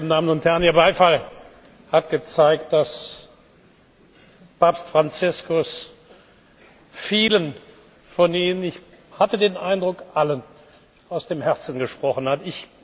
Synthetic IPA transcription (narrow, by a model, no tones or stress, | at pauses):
ndaːmənʊnthɛɐʁəniːɐbaɪfal | hatɡ̥ət͡saɪk̚t̚d̥as | paːpstfʁ̥ant͡sɪskʊs | fiːlən | fɔniːnənɪç | hatədeːnʔaɪndʁʊkʔalən | ʔaʊsd̥eːmhɛɐt͡sn̩ɡəʃpʁ̥ɔχən̩hatɪç